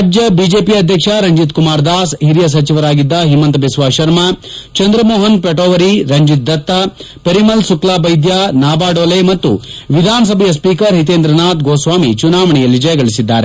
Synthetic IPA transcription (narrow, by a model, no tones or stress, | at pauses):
d͡ʒjɐbiːd͡ʒeːpiɐd̪ʱjɐkʂɐɾɐɲd͡ʒit̪kumaːɾd̪aːsɦiɾjɐs̬ɐt͡ʃiʋɐɾaːɡid̪ːɐɦimːɐnt̪ɐbisʋaːʃɐɾmɐt͡ʃɐnd̪ɾɐmoːɦɐnpeʈoːʋɐɾiɾɐɲd͡ʒit̪̚d̪ɐt̪ːɐ | pɐɾimɐlsuklaːbɐjd̪jaːnaːbaːɖoːlemɐt̪ːṵʋid̪ʱaːnɐs̬ɐbʱɐjɐspiːkɐɾɦit̪̬eːnd̪ɾɐnaːt̪ɡoːsʋaːmḭt͡ʃunaːʋɐɳɛjɐlːid͡ʒɐjɐɡɐɭisid̪ːa̰ːɾe